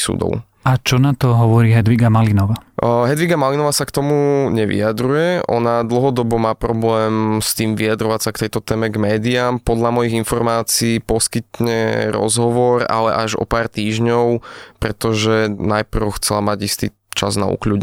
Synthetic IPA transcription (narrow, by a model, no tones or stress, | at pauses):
sṵːd̪ɔ̰ʊ | at͡ʃɔnat̪ɔɦɔʋɔɾiːɦɛd̪ʋiɡamalinɔʋaɦɛd̪ʋiɡamalinɔʋasakt̪ɔmuɲɛʋḭad̪ɾujɛʔɔ̰nad̪l̩ɦɔd̪ɔbɔmaːpɾɔblɛːmst̪iːmʋijad̪ɾɔʋacsakt̪ɛjt̪ɔt̪ɛːmɛɡmɛːd̪iaːmpɔd̪lamɔjiɣinfɔɾmaːt͡siːpɔskit̪ɲɛɾɔ̰zɦɔʋɔɾa̰lɛ̰ʔaʒɔ̰paːrt̪iːʒɲɔʊpɾɛt̪ɔʒɛnajpr̩ʊxt͡sɛlamaɟist̪ḭː | t͡ʃazna̰ṵklṵːɟɲ